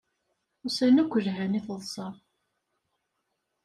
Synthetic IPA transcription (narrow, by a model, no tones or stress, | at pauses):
ʊsænækʷːəʒɦæniθəðˤsˤɑ